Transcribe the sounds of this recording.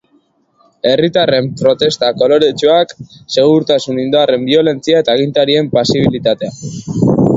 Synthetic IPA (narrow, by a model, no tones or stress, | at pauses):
e̞rit̪are̞mpɾo̞t̪e̞st̪ako̞lo̞ɾet͡ʃuakse̞ɣ̞uɾt̪asunind̪are̞mbio̞le̞nt͡siae̞t̪aːɣ̞int̪aɾie̞mpasiβ̞ilit̪at̪e̞a